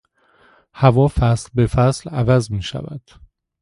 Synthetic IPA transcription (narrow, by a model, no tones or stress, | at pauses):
hævɒːfæslbe̞fæslævæzmiːʃæ̰væ̰d̪̥